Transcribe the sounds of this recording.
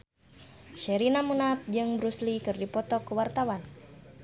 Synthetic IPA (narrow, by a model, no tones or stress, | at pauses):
ʃɛɾinamunap̚d͡ʒɨŋbɾuslikɨrdipɔt̪ɔkuwart̪awan